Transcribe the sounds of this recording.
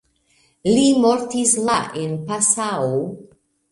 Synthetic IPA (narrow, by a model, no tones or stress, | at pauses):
limoɾt̪islaʔenpasao